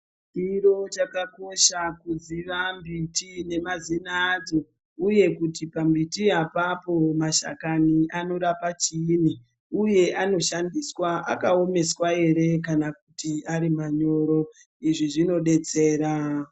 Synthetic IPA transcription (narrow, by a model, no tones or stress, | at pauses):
iɾo̞t͡ʃakako̞ʃakuziʋambitine̞mazinaːd͡zo̞ | uje̞kutipambitiapapo̞maʃa̰kaniʔano̞ɾapat͡ʃini | uje̞ʔano̞ʃandiswaʔa̰kao̞me̞swae̞ɾe̞kanakutiaɾimaɲo̞ːɾo̞ | iʐiʐino̞ɗe̞t͡se̞ːɾa